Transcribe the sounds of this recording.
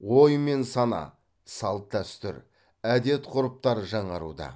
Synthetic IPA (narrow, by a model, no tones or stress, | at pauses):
wo̞jme̞nsɑnɑ̰ | sɑlˠt̪̚d̪æst̪ʏ̰ɾ | æd̪e̞t̪qʰʊɾəp̚t̪ɑɾʒɑɴɑɾṵd̪ɑ̰